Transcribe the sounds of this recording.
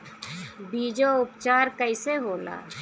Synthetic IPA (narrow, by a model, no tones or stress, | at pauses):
biːd͡ʒoʊpt͡ʃaːɾkəɪseɦoːla̰ː